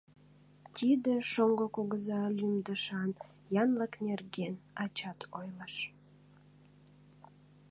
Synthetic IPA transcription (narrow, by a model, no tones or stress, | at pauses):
t̪ʲʰid̪eʃoŋɡokoɣəzɑlymd̪əʃɑn | jɑnləknerɡenɑt͡ɕɑt̪ʰojləʃ